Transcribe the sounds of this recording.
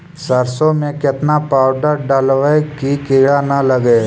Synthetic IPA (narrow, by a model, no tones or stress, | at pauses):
səɾsõmẽkɪt̪napaːʊɖəɾɖaːlʋəekikɪɽanɐləɡe